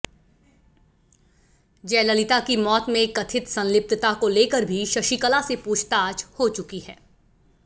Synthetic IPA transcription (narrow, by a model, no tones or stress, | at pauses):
d͡ʒɛːləlɪt̪akimɔːt̪mẽkɐt̪ʰɪt̪sɐ̃nlɪp̚t̪ət̪akoleːkəɾbʱiʃɐʃikəlasepuːt͡ʃʰt̪aːd͡ʒhot͡ʃʊkiɦɛː